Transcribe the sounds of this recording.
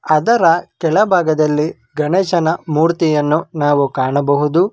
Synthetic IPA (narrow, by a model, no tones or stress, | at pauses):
ɐd̪ɐɾɐkɛlɐbʱaːɡɐd̪ɐlːi | ɡɐɳɛːʃɐnɐmuːɾt̪ijɐnːunaːʋukaːɳɐbɐɦud̪u